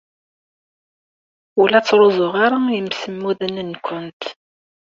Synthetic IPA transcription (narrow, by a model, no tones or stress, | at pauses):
ʊlæt͡sːɾozˤʊʁaɾajəmsəmːuðænənkʷːʊnt̪